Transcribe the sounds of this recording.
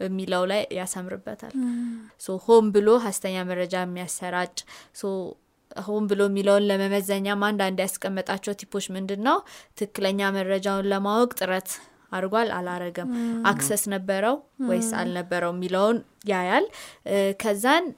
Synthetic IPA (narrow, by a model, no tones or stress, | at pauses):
əmːiləwlajjasəmɾɨ̰bːət̪ʰa̰lsohombɨlo̞ɦast̪ʰəɲːaməɾəd͡ʒajɛmːijasːəɾat͡ʃʼso | hombɨlo̞mːiləwnləməməzəɲːamand̪and̪jaskʼəmːət̪ʼat͡ʃːɛwt̪ʰipʰo̞t͡ʃːmɨnd̪ɨnːəwt̪ʰɨkːɨləɲːaməɾəd͡ʒawnləmawɔkʼt̪ʼɨɾət̪ʰ | aɾɡwala̰laɾəɡəmʔaksəsnəbːəɾəwwɔjsa̰lnəbːəɾəwmːiləwnjajalkʰəzːan